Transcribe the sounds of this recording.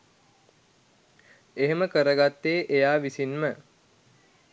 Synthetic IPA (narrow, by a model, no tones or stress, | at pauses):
eɦeməkəɾəɡat̪ːeːʔejaːʋisinmə